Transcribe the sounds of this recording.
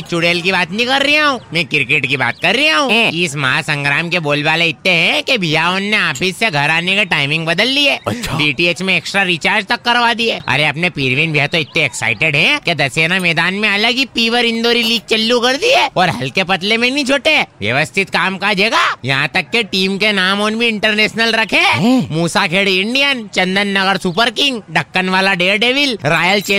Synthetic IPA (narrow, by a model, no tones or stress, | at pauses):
it͡ʃʊɽeːlkibaːt̪nɐɦĩkɐɾːiaɦũːmɛ̃kɪɾkɪʈkiba̰ːt̪̚kɐɾːiaɦũːɪsmɐɦasɐ̃ŋɡɾaːmkeboːlʋaːleɪt̪ːeɦɛ̃kebʱijaoːnːeaːpʰɪsːeɡʱɐɾaːnekeʈaːɪmɪ̃ŋɡbɐd̪əlːieːɐʃɖiːʈieːt͡ʃmẽeːksʈɾaɾit͡ʃaːɾd͡ʒt̪ɐkːɐɾʋaːd̪iɛːɐ̰ɾeɐpnepiːɾʋɪnbʱijɦat̪oɪt̪nẽɛksa̰ːɪʈeɖɦɛ̃ked̪ɐseːnamɛːd̪aːnmẽɐləɡipiːʋəɾɪ̃nd̪oːɾiliːɡ̚t͡ʃɐlːukɐɾd̪iɛːɔːɾɦɐ̰lkepɐt̪lemẽnĩt͡ʃʰoːʈeʋjɐ̰ʋəst̪ʰɪt̪kaːmkad͡ʒeːɡajɐ̰ɦãt̪ɐkːeʈiːmkenaːmɔːnbʱiɪ̃ɳʈəɾneːʃnəlɾɐkʰẽmuːsakʰeːɽiɪ̃ɳɖijənt͡ʃɐ̃nd̪ənːɐɡəɾsupəɾkɪ̃ŋɡɖʱɐkːənʋaːlaɖeːɾɖeːʋɪlɾaːjəlt͡ʃeː